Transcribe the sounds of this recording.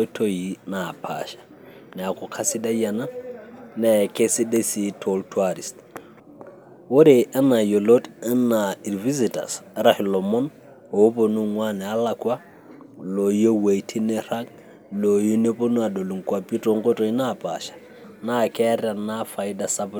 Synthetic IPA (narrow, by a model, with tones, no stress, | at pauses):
tʰo˦ji˨na˨pʰa̰ʃḁ˨ | nɛ˨a˨kɔ˨kʰa˦si˦da˦ja˨na˦nɛ˨ke˦si˦de˦si˦tʰo˦ltʰwa˦ɾi˨st | wo˦ɾe˨ʔɛ˦na˨jo˨lo˦dɛ˦na˨i˨lvi˦zi˨ta̰˨sɾa˨hi˨lɔ˨mɔ˦n | o˨˦po˨nu˦ŋwa˦nɛ˨a˦la˨kwa˦ | lo˨jo˦we˨tʰi˦nɛ˦ra˦k | lo˨ji˦ne˦po˦nu˦a˨do˨lu˨ŋkwa˨pi˦to˨ŋ˦ko˦to˨i˦na˨pa̰˨ʃḁ˨ | na˦˨kɛ˦ɾa˨nafa˨i˦da˨sa˦p